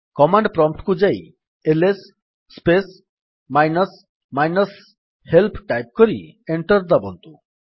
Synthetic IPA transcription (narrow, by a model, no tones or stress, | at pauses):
kɔmaɳɖpɾɔmp̚ʈkud͡ʒaj | elesː | pes | majnəs | majnəs | helpʰʈajp̚kɔɾḭeɳʈɔɾd̪abɔ̰nt̪u